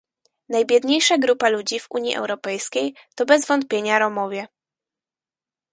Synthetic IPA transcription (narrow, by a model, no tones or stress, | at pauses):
najbʲjɛd̪ɲejʂaɡɾupalud͡ʑivṵɲjḭʔɛ̰wɾɔpɛjskʲejt̪ɔbɛzvɔnt̪̚pʲjeɲaɾɔmɔvʲjɛ